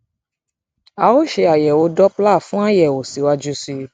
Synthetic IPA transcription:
a˨o˦ʃe˧a˨jɛ˨wo˧˦dɔ˦pla˦˨fũ˦a˦jɛ˦˨o˨si˨˦wa˦d͡ʒu˦si˧

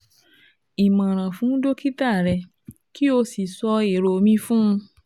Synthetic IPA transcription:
i˨mã˨ɾ̃ã˨fũ˨˦do˦ki˦ta˦˨ɾɛ˧ | ki˦o˧si˨sɔ˧e˨ɾo˧mĩ˧˦fũ˦˧

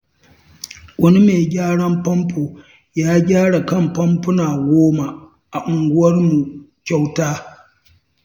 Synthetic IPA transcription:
wɐ˦ni˦meː˨ɡʲaː˦ɽɐ˦mpɐ˦mpoː˨ | jaː˦ɡʲaː˦ɽa˨kɐ˦˨mpɐ˦mpʊ˦naː˨ɡʷoː˦ma˨ | ʔa˨ʔʊ˨ŋɡʷʊ˦wɐ˦rmu˨kʲa˦wtaː˦

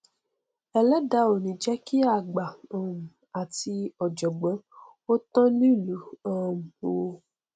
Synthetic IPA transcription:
ɛ˧lɛ˦da˨˦o˨nĩ˨d͡ʒɛ˦ki˦a˦˨ɡ͡ba˨ã˨mu˨ | a˨ti˧ɔ˨d͡ʒɔ˨ɡ͡bã˨˦ | o˦tɔ̃˦nĩ˦˨lu˨˦ã˦˧˨m˨o˨˧

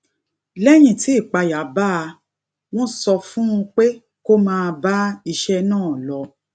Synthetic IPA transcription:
lɛ˦j̃ĩ˨ti˨˦i˦˨k͡pa˧ja˨˦ba˦a˧ | w̃ɔ̃˦sɔ˧fũ˦ũ˧k͡pe˦ | ko˦mãː˦˧ba˦i˧ʃɛ˦˧nãː˦˨lɔ˧

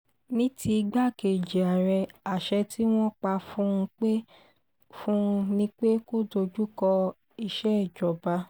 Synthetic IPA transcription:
nĩ˦ti˧ɡ͡ba˦˨ke˨d͡ʒe˨a˨ɾɛ˧a˨ʃɛ˧ti˦w̃ɔ̃˦k͡pa˧fũ˦˧k͡pe˦ | fũ˦˧nĩ˦k͡pe˦ko˦˨do˧d͡ʒu˦kɔ˧ | i˧ʃɛ˦˨d͡ʒɔ˨ba˧˦

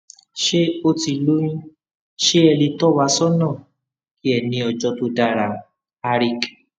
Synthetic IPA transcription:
ʃe˦o˦ti˧lu˦jĩ˦ | ʃe˦ɛ˧li˧tɔ˦wa˧˦sɔ˦nãː˦˨ | ki˦ɛ˦˨nĩ˧ɔ˧d͡ʒɔ˧to˧da˧ɾa˨ | a˧ɾi˧k

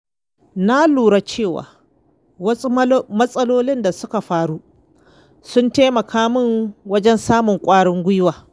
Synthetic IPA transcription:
na˦luː˨ɽa˦t͡ʃeː˦˨wa̰ː˨ | wɐ˦mɐ˦sʼɐ˦loː˦lɪ˦nda˨sʊ˦ka˨ɸaː˦ɽu˦ʔ | sʊ˦nteː˦mɐ˨kʰaː˦mɪ˦ŋwɐ˦d͡ʒɛ˦nsaː˦mʊ˨ŋkʷʼaː˦ɽɪ˦ŋɡʷʊ˦jwaː˨

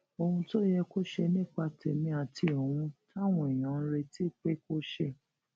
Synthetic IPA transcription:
o˧hũ˧to˦jɛ˧ko˦ʃɛ˧nĩ˦˨k͡pa˧tʰɛ˨mĩ˧a˨ti˧o˨wũ˧ta˦˨w̃ɔ̃˧˨i˨j̃ã˨˦ɾe˧ti˦˨k͡pe˦ko˦ʃe˦˨

